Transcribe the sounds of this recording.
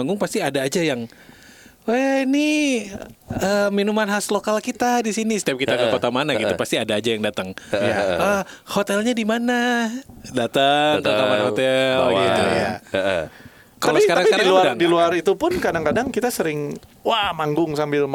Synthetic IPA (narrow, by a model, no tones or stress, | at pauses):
aŋɡʊŋpast̪iadaːd͡ʒajaŋ | aini | əminumanɦaslokalkit̪adisinisə̥t̪iap̚kit̪aɡakot̪amanaɡit̪upast̪iadaːd͡ʒajaŋdat̪əŋjaə | hot̪ɛlɲadimana | dat̪əŋk̪ot̪amanhot̪ɛlɡit̪ṵja̰ | kaalopsəikaɾaŋsikaɾiluaɾadiluaɾit̪upʊnkadaŋkadaŋkit̪asəɾɪŋwahmaŋɡʊŋsambɪl